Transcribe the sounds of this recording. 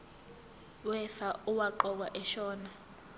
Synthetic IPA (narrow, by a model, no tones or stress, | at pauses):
wɛfauwaǃɔk̬waʔɛʃɔːna